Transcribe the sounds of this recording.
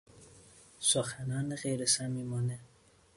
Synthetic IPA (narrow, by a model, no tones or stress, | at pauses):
soxænɒːneɣejɾesæmimɒːne